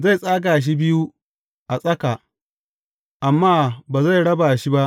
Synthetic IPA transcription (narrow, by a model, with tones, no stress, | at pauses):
za˦˨sʼaː˦k̬a˨ʃ̬i˦bɪ˦ju˦ | ʔa˨sʼɐ˦ka˨ | ʔa˨mːaː˦baː˨za˦˨jɽɐ˦baː˨ʃi˦ba˦ʔ